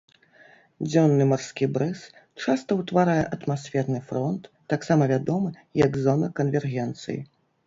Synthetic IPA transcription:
d͡zʲɔnːɨmarskʲibɾɨs | t͡ʂast̪ɐwt̪vaɾajɛʔɐt̪masʲfʲɛrnɨfɾɔnt̪ːaksamɐvʲad̪ɔmɨjɐɡzɔnɐkɐnvʲɛrɣʲɛnt̪sɨ̰jḭ

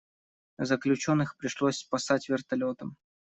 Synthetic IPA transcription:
zəklʲʉt͡ɕo̞nːɨxpɾʲɪʂlˠosʲspɐsatʲvʲɪrt̪ɐlʲo̞t̪əm

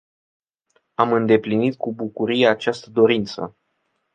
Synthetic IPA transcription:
amɨnd̪e̞plinit̪̚kubukuɾijeat͡ʃast̪əd̪o̞ɾint̪sə̰

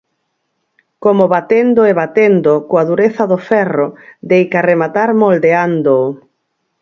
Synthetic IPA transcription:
komoβat̪end̪oeβat̪end̪okoaðuɾeθɐðʊfɛrod̪ejkaremat̪aɾmold̪eand̪oː

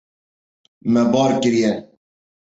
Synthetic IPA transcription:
mɛbɑːɾkɨɾijɛ

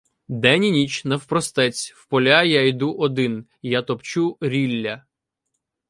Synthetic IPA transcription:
d̪ɛnʲinʲit͡ʃʲnɐwpɾɔst̪ɛt͡sʲwpɔlʲajajd̪uʔɔd̪ɪn | jat̪ɔpt͡ʃuɾʲilʲːɐ

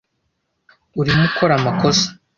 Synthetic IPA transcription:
uɾimuko̞ɾamako̞sḁ

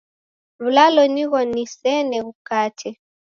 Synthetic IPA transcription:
βulalɔniɣɔnisɛnɛɣukatʰɛ

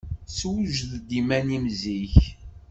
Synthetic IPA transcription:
swʒðd̪imænimziç

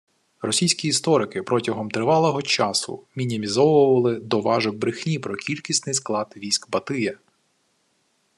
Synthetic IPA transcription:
rɔsʲijsʲkʲiːst̪ɔɾɪkɪpɾɔtʲɐɦɔmt̪ɾɪʋɑlˠɔɦɔt͡ʃɑsʊ̰mʲinʲimʲizɔʋʊʋɐlˠɪd̪ɔʋɑʒɪbɾɪxnʲipɾɔkʲilʲkʲisʲnɪjsklˠɑd̪ʋʲisʲkbɐt̪ɪjɛ

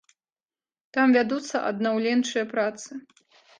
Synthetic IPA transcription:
t̪amvʲad̪ut̪sːɐʔɐ̰d̪̚nawlʲɛnt͡ʂɨjɐpɾat̪sɨ

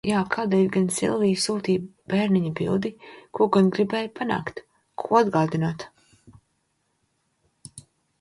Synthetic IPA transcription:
jaːkʰaːd̪ɛːjʲɡansḭlˠviːsuːt̪iːb̥ɛːɾnʲiɲabḭlˠd̪ikuɔɡanɡɾibɛːjpʰana̰ːkt̪ | kʰuɔad̪ɡaːd̪inaːt̪

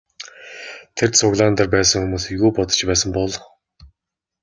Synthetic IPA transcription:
t̪ʰersʰʊɣɮaːnt̪ărpæːsə̆ŋxumuːsiɣuːpɔt̪ə̥̆t͡ɕpæːsə̆mpɔɮ

